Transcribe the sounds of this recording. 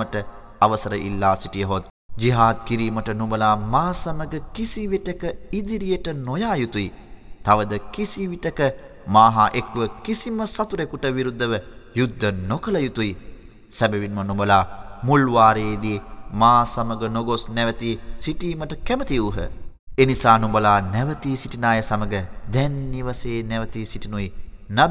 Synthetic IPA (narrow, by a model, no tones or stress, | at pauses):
əʈə | aʋəsɐɾəʔḭlːaːsiʈijəɦot̪̚ | d͡ʒiɦaːd̪̚kiɾiːməʈənumbəlaːmaːsaməɡəkisiʋiʈəkəid̪iɾijəʈənojaːjut̪ujit̪aʋəd̪əkisiʋiʈəkə | maːɦaʔekʋəkisiməsat̪uɾekuʈəʋiɾud̪ːəʋəjud̪ʱːənokəlɐjut̪uji | sɛbɛʋinmənumbəlaːmulʋaːɾeːd̪iemaːsaməɡənoɡosnɛʋət̪isiʈiːməʈəkɛmət̪iuːɦə̰ | eːnisaːnumbɐlaːnɛʋət̪iːsiʈinaːjəsaməɡəd̪ɛnːiʋaseːnɛʋət̪isiʈinuji | na